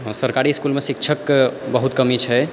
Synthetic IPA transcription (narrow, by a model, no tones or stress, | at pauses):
səɾkaɾiskulmesik̚t͡ʃʰəkbəɦut̪kəmit͡ʃʰɛ